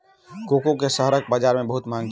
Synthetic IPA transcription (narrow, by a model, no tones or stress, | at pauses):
kokokesəɦəɾək̚bəd͡ʒaɾmebəɦut̪maŋɡt͡ʃ